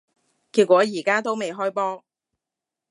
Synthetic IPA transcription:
kiː˧t̚kʷɔː˨˥jiː˨˩kaː˥t̪o˥wme˨jɦɔː˥jpɔː˥

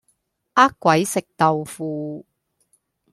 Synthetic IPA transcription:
ʔaː˥kkʷːwɐ˨˦jsɪ˨k̚t̪ɐ˨wfuː˧

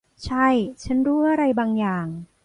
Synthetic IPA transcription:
t͡ɕʰa˥˩jt͡ɕʰa˦˥nɾuː˦˥ʔa˧ɾa˧jbaː˧ŋjaː˨˩ŋ

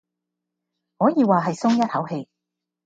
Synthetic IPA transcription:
hɔː˨˥jiː˨˧waː˨ɦɐ˨jsʊ˥ŋjɐ˥t̚hɐ˨˥whe˧j

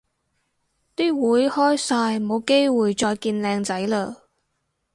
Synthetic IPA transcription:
t̪iː˥wuː˨˥jhɔː˥jsaː˧jmo˨˧wke˥jwuː˨jt͡ʃɔː˧jkiː˧nlɛː˧ŋt͡sɐ˨˥jləː˧

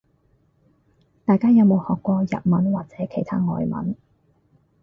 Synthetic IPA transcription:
t̪aː˨jkaː˥jɐ˨˧wmo˨˧whɔː˨kʷːɔː˧jɐ̰˨t̚mɐ˨˥nwaː˨k̚t͡sɛː˨˥kʰe˨˩jt̪ʰa̰ː˥ŋɔ̰ː˨˧jmɐ̰˨˥n

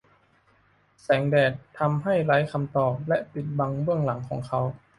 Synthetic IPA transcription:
sɛː˩˦ŋdɛː˨˩t̪ʰːa˧mɦa˥˩jla˨˦jkʰa˧mt̪ɔː˨˩p̚lɛ˦˥ʔpi˨˩t̪̚ba˧ŋbɯ˥˩əŋla˩˦ŋkʰɔː˩˦ŋkʰa˦˥w

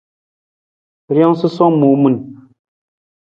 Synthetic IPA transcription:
ɾjɔ˦ŋsɨ˦sɔ˦ŋmu˨˦mu˨n

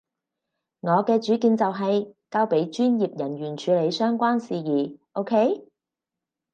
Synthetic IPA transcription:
ŋɔː˨˧kɛː˧t͡ʃyː˨˥kiː˨˧nt͡sɐ˨wɦɐ˨jkaː˧wpe˨˥jt͡ʃyː˥njiː˨p̚jɐ˨˩nɥyː˨˩nt͡ʃʰyː˨˧le˨˧jsœː˥ŋkʷaː˥nsiː˨jiː˨˩ʔo˥wkʰe˥j

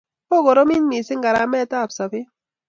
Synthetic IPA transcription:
po˦ɡo˨ɾo˦mi˦nmi˨sɪ˦ŋɡa˨ɾa˨˦mɛ˦ta˦˨psa˨pɪ˦

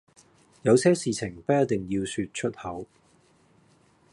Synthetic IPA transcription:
jɐ˨˧wsɛː˥siː˨t͡sʰɪ˨˩ŋpɐ˥ɐ˥t̚t̪ɪ˨ŋjiː˧wsyː˧t̚t͡ʃʰɵ˥t̚hɐ˨˥w

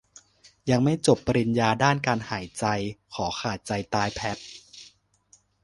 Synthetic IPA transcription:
ja˧ŋma˥˩jt͡ɕo˨˩pːa˧ɾi˧njaː˧daː˥˩nkaː˧nhaː˩˦jt͡ɕa˧jkʰɔː˩˦xʰaː˨˩t̪̚t͡ɕa˧jt̪aː˧jpʰɛ˦˥p̚

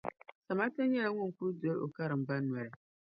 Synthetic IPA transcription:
sa˨ma˦ta˦nɲɛ˦la˦ŋʊ˦ŋ˨ku˦ɾdo˦lo˨ka˦ɾɨ˨m̩˨ba˦nwa˨ɾɪ˨

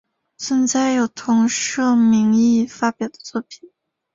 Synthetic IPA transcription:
sə˧˥nt͡sa˥˩ɪjo˨˩ʊt̪ʰʊ˧˥ŋʂɤ˥˩mi˧˥ŋi˥˩fa˥pjɑ˨˩ʊd̪ə̥˦t͡swɔ˥˩pʰi̥˨˩˦

